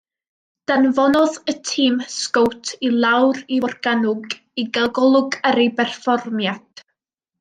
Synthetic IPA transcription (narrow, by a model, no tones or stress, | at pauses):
d̥anvɔnɔðətʰiːmskowtʰilˠawɾivɔrɡ̥anʊɡ | iɡaɡɔlˠʊɡəɾibɛrfɔrmjad̥